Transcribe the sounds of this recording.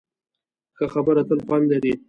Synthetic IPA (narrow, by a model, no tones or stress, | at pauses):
xəxabəɾat̪əlxwand̪laɾi